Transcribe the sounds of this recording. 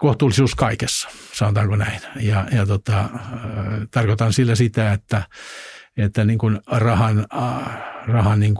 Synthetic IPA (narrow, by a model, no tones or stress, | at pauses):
koht̪uːlisuːskɑikesːɑ̥sɑnot̪ɑːŋkonæinjɑjɑt̪ot̪ɑ | t̪ɑrkot̪ɑnsilːæsit̪æet̪ːæ | et̪ːæniːŋkunrɑhɑn | rɑhɑnniŋk